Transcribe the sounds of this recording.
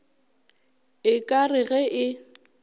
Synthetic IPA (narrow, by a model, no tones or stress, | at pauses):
ɪkʼarɪɣɛʔɪ